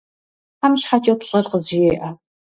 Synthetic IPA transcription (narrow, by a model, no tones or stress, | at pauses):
amɕħat͡ʃʼɐwpɕʼɐrqəzɪjeːʔa